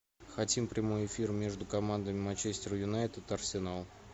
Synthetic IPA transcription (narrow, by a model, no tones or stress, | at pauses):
xɐtʲimpɾʲɪmo̞jɪfʲirmʲe̞ʐd̪ʊkɐmand̪əmʲɪmɐnʲt͡ɕesʲtʲɪɾjʊnajt̪ʲɪt̪ɐrsʲɪnalˠ